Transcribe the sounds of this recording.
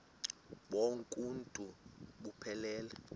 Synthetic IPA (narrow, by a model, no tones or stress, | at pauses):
ɓoŋkʼuntʼuɓupʰɛlɛːlɛ